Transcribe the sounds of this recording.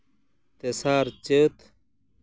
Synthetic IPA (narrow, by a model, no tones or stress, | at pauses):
t̪esaːɾt͡ɕət̪